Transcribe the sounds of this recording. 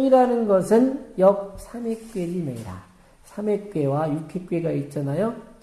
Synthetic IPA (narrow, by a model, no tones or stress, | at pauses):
iɾanɯnɡʌsʰɯnjʌk̚sʰame̞k̚p͈eɾimeiɾa̰ | sʰamek̚p͈e̞wajukʰep̚k͈ɥe̞ɡait͡ɕ͈anajo